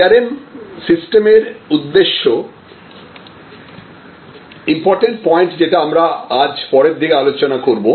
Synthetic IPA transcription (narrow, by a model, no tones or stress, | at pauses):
aɾemsisʈemeɾud̪ːeʃːo | impɔɾʈeɳʈpɔjeɳʈd͡ʑeʈaamɾaad͡ʑpɔɾeɾd̪ʱikealot͡ɕonakoɾbo